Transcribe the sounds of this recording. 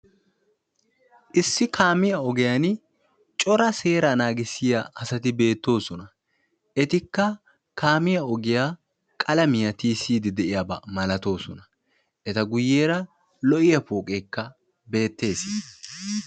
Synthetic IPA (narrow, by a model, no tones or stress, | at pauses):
ʔɪsːɪkʰaːmɪjɐɔɡɪjan | t͡ʃʼɔɾɐse̞ːɾɐnaːɡɪsːɪjaʔɐsɐt̪ɪbe̞ːt̪ːo̞ːsɔnɐ | ʔɛt̪ɪkːɐ | kaːmɪjɐɔɡɪjaː | kʼɐlɐmɪjɐt̪iːsiːd̪ɪd̪ɛʔɪjabɐmɐlɐt̪o̞ːsɔnɐ̥ | ʔɛt̪ɐɡʊjːeːɾɐ | lɔʔɪjɐpoːkʼeːkːɐ | be̞ːt̪ːe̞ːsɪ